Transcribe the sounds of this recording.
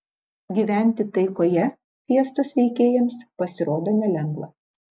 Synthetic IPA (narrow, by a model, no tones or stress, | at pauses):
ɡʲiːˑʋʲæˑnʲt̪ʲɪt̪ɐɪkoːjɛ | pʲiɛst̪oːsʋʲɛɪkʲeːjɛmspɐsʲɪɾoːd̪oːnʲɛlʲɛŋɡʋˠɐ̰